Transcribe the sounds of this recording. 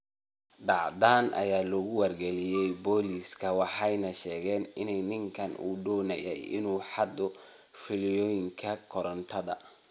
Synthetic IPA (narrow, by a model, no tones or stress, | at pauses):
ɖɑʕd̪aːnʔɐ̰jaːlɔɣʊwɐrɡɛlɪjɛjbɔːliːskʰɐwɑħɑjnɐʃɛːɣɛːnɪnɛjnɪŋkʰɐnṵːd̪ɔːnɐjɛ̰jɪ̰nuːħɑd̪ɔ | fɪlɪjɔːjɪŋkʰɐkʰɔɾɐnt̪ʰɐðɐ̰